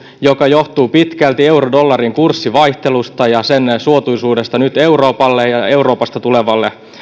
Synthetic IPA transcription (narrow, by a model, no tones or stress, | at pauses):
jo̞kɑjo̞ht̪uːpit̪kælt̪ie̞urodo̞lːɑriŋkursːiʋɑjht̪e̞lust̪ɑjɑsensuot̪ujsuːdest̪ɑnyt̪e̞uro̞ːpɑlːejɑe̞uɾo̞ːpɑst̪ɑt̪ule̞ʋɑlːe